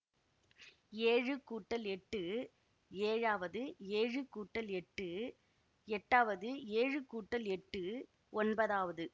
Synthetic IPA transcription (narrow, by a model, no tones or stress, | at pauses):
eːɻɯkuːʈːɐlɛʈːɯ | eːɻaːʋɐðɯeːɻɯkuːʈːɐlɛʈːɯ | ɛʈːaːʋɐðɯeːɻɯkuːʈːɐlɛʈːɯ | ɔnbɐðaːʋɐðɯ